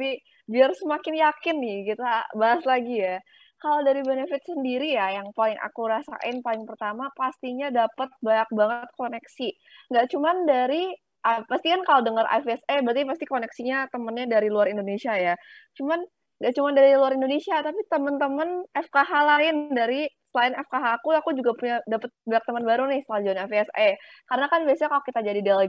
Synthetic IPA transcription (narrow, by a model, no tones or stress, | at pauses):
api | biarsəmakɪnjakɪnːɪkit̪abaɦaslaɡija | kaladaɾibenefɪt̪̚səndiɾijajaŋpalɪŋʔa̰kuɾasa̰ʔɪnpalɪŋpərt̪amapast̪iɲadapət̪̚baɲak̚baŋət̪̚konɛksi | ŋɡaʔt͡ʃumandaɾi | ʔəpast̪ikankalodəŋəɾʔa̰fɛsebəɾt̪ipast̪ikonɛksiɲat̪əmənɲadaɾiluaɾindonesiajat͡ʃuman | ŋɡaʔt͡ʃumandaɾiluaɾindonesiat̪apit̪əmənt̪əmənɛfkaɦalaɪndaɾisəlaɪnɛfkaɦaːkuakud͡ʒuɡapuɲadapət̪̚baak̚t̪əmənbaɾunɪhst̪əlad͡ʒuanafɛse | kaɾənakanbiasɲakalokit̪ad͡ʒadidal